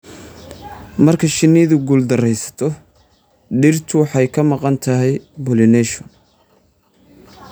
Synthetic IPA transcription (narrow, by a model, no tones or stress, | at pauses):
mɐrkʰɐʃɪnːɪðʊɡuld̪ɐrɛjsɐ̥t̪ʰɔ | ɖɪrt̪ʰʊwħɑjkʰɐmɑqɑnt̪ʰɐɦɛjbɔlɪnɛʃɔn